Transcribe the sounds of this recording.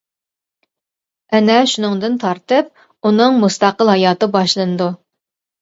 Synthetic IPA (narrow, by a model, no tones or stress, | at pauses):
ɛnɛʃunɨŋd̪ɨnt̪ʰɑɾt̪ɨp̚ | unɨŋmust̪ɑqəlˠɦɑjɑːt̪ɨbɑʃlˠɨnɨd̪u